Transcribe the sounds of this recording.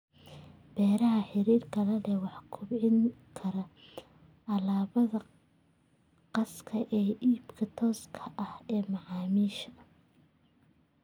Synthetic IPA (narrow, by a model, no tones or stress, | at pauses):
b̥ɛːɾɐɦɐħɪɾiːrkʰɐlɛlɛwɑħkʰʊbʕɪŋkʰɐɾɐ | ɑlaːβɐðɐ | qɑskʰɐʔɛːʔiːbkʰɐt̪ʰɔːskʰɐʔɐhɛːmɑʕɑːmiːʃɐ̥